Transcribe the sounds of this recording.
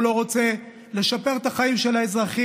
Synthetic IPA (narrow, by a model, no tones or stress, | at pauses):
lo̞ʁo̞t͡se̞ | le̞ʃape̞ʁt̪aχaimʃe̞laezʁaχi